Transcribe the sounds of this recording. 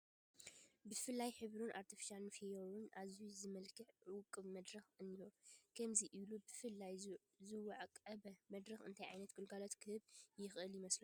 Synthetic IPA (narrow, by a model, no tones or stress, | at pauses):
bɨfɨlːajħɨβɾunʔaɾt̪ʰifi̥ʃanfijoɾunʔazizɨmɐlkʰɨħɨwkʼːɨβmɐd̪ɾɐxɨnːijokʰɐmziʔilubɨfɨlːaj | zɨwɐʕakʼɐbɐmɐd̪ɾɐxɨ̰nt̪ʰajʕajnɐt̪ɡ̥ɨlɡalot̪kʰɨhɨβjɪxʔɨljɪmɐslu